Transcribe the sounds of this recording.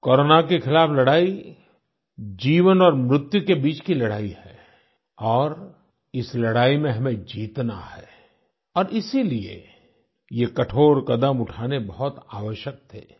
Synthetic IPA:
kɔːɾoːnakexɪlaːflɐɽaːi | d͡ʒiːʋənɔːɾmɾʊt̪jukebiːt͡ʃkilɐɽaːiɦɛː | ɔːɾ | ɪslɐɽaːimẽɦɐmẽd͡ʒiːt̪na̰hɛː | ɔːɾɪsiliḛ | jekɐʈʰoːɾkɐd̪əmʊʈʰaːnebɐɦʊt̪aːʋəʃjək̚t̪ʰɛ̰ː

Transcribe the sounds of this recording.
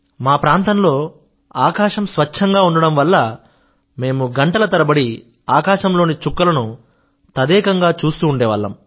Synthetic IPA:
maːpɾaːnt̪ɐmlo̞ː | aːkaːʃɐmsʋɐɐŋɡaːuɳɖɐɽɐmʋɐlːɐ | me̞ːmuɡɐɳʈɐlɐt̪ɐɾɐbɐɽi | aːkaːʃɐmlo̞ːnit͡ʃukːɐlɐnu | t̪ɐd̪ɛːkɐŋɡaːt͡ʃuːst̪uːɳɖɛːʋɐlːɐ̰m

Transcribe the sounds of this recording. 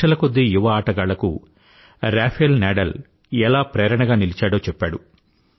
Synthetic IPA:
ɐlɐkod̪ːejuʋɐaːʈɐɡaːlɐkṵ | ɾaːpʰjlnaːɖɐl | ɛlaːpɾeːɾɐɳɐɡaːnilit͡ʃaːɽo̞ːt͡ʃɛpːaːɽu

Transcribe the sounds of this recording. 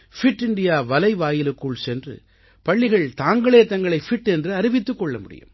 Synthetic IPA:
fɪʈːɪɳɖɪjaːʋɐlɐɪʋaːjɪlɯkːɯɭsɛndrɯ̰ | pɐɭːɪɣɐɭt̪aːŋɡɐɭeːt̪ɐŋɡɐɭɐɪfɪʈːɛndrɯɐɾɪʋɪt̪ːɯkːɔɭːɐmʊɽɪ̰jɯ̰m

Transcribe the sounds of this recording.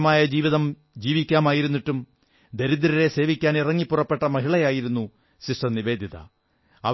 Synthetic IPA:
maːjɐd͡ʑiːʋiðɐm | d͡ʑiːʋikʲːaːmaːjiɾunːiʈːum | d̪eɾid̪ɾɐɾe̞se̞ːʋikʲːaːnirɐŋːipːurɐpːe̞ʈːɐmɐɦiɭɐjaːjiɾunːu | ɕiʂʈɐniʋe̞ːd̪ʱiðɐ̰ | ɐ̰ʋ

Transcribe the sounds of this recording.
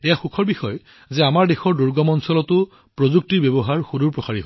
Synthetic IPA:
ejaxukʰɔɹbixɔj | zɛamaɹdexɔɹduɹɡɔmɔnsɔlɔtʊ | pɹozuk̚tiɹbebɔɦaɹxuduɹpɹɔsaɹiɦɔ

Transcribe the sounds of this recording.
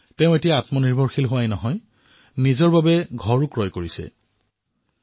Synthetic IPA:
teʊ̃etijaːatmɔniɹbʱɔɹxilɦʊwajnɔɦɔj | nizɔɹbabɛɡʱɔɹukɹɔjkoɹisɛ̰

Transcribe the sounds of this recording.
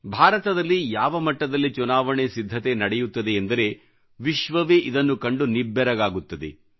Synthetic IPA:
bʱaːɾɐt̪ɐd̪ɐlːijaːʋɐmɐʈːɐd̪ɐlːit͡ʃunaːʋɐɳesid̪ʱːɐt̪e̞nɐɽɛjut̪ːɐd̪e̞ːnd̪ɐɾe̞ | ʋiʃʋɐʋeːʔid̪ɐnːukɐɳɖunibːɛɾɐɡaːɡut̪ːɐd̪e̞̰

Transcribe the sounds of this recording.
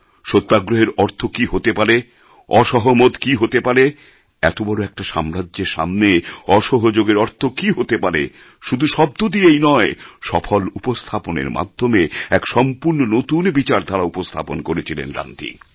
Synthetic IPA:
ʃot̪ːaɡɾoɦeɾɔɾt̪ʰokiɦot̪epaɾe | ɔʃɔɦomot̪kiɦot̪epaɾe | ɛ̰t̪obɔɾoɛk̚ʈaʃamɾadʑeɾʃa̰mneɔʃɔɦod͡ʑoɡeɾɔɾt̪ʰokiɦot̪epaɾḛ | ʃud̪ʱuʃɔb̚t̪od̪iejnɔeʃɔfʰolupost̪ʰaponḛɾma̰d̪ʱːomeɛkʃɔmpuɾnonot̪unbit͡ɕaɾd̪ʱaɾaupost̪ʰa̰ponkoɾet͡ɕʰilḛnɾa̰nt̪ʰḭ

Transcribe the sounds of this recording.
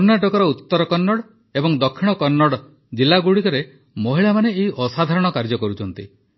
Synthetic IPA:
ɾnaʈɔkɔɾɔut̪ːɔɾɔkɔnːɔɽ | ebɔŋd̪ɔkʰːiɽ̃ɔkɔnːɔɽ | d͡ʒilːaɡuɽikɔɾe | mɔɦiɭamaneːɦiʔɔsad̪ʱaɾɔɽ̃ɔkaɾd͡ʒɔkɔɾut͡ʃʰɔnt̪ḭ

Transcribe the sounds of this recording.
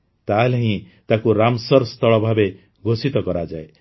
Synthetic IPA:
t̪aleɦĩ | t̪akuɾamsɔɾst̪ʰɔɭɔbʱabe | ɡʱosit̪ɔkɔɾad͡ʒae

